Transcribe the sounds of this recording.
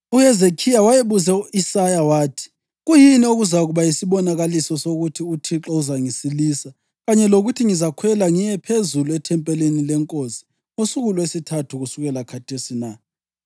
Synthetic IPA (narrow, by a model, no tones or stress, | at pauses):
uhezekʰijawajeβuzɛuisajawaːtʰi̥ | ɣujinioɣuzaɣuβajisiβɔnaɣalisɔsoɣutʰiutʰiǁɔuzaŋisilisa | ɣaɲɛloɣutʰiŋizakʰwɛlaŋijɛpʰezuluɛtʰɛmpʼɛlenilɛŋkʼosi̥ | ŋosuɣuluesitʰatʰuɣusuɣɛlakʰatʰesina